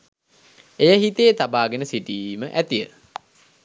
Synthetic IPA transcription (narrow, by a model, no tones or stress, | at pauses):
ejəɦit̪ejːt̪abaːɡenəsiʈiːməʔæt̪ijə̰